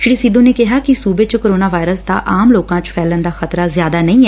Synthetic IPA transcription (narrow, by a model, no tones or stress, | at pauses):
ʃɽiːsiːd̪õːneːkɪɦaːkɪsuːbeːt͡ʃkoːɾoːnaːʋaːɪɾəsd̪a̰ːʔaːmloːkãːt͡ʃpʰɛːlənd̪aːxət̪ɾaːzjaːd̪aːnəĩːɛː